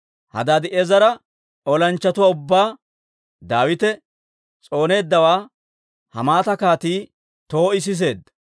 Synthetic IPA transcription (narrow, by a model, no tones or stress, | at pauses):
hɐ̰d̪aːd̪ɪʔezɐɾɐ | ɔlɐnt͡ʃːɐt̪ʊwaːʊbːaː | d̪aːwɪt̪ɛ | t͡sʼo̞ːne̞ːd̪ːɐwaː | hɐ̰maːt̪ɐkaːt̪iː | t̪o̞ːɪs̬ɪs̬e̞ːd̪ːɐ